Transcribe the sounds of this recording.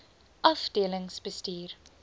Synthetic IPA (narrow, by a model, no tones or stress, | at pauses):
ʔɐfdiələŋsbəstiːr